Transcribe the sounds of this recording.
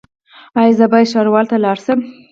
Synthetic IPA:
ɑjzəbɑjʃɑɾwɑlt̪alɑɽsəm

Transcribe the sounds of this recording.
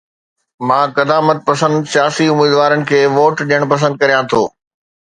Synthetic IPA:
mãːkɐd̪aːmət̪̚pɐsə̃nd̪sjaːsiʊmiːd̪ʋaːɾənɪ̆kʰeːʋoːʈɗijəɽ̃pɐs̬ə̃nd̪̚kɐɾijãt̪ʰoː

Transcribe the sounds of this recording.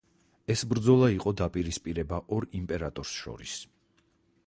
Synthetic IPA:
ɛsbɾd̪zɔlˠaiqʼɔd̪apʼiɾispʼiɾɛbaʔɔɾimpʼɛɾat̪ʼɔɾsʃɔ̰ɾis

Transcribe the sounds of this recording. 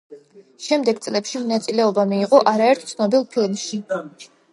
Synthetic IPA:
ʃɛmd̪ɛɡt̪sʼlɛpʃimɔnat̪sʼilɛɔbamiːqʼɔʔaɾaɛɾt̪ʰt̪sʰnɔbilˠpʰilmʃi

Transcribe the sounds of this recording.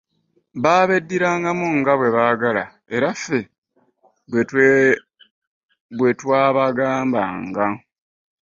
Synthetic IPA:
βaːβe̞dːiɾaːŋɡamuŋɡaβwe̞βaːɡala̰ | e̞ɾafːe̞ | e | βwe̞twaːβaɡaːmba̰ŋɡa

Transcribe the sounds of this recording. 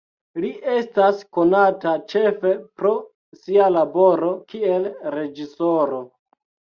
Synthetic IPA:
liʔe̞stasko̞natat͡ʃe̞fe̞pɾo̞ | sialabo̞ɾo̞kielɾe̞d͡ʒiso̞ɾo̞

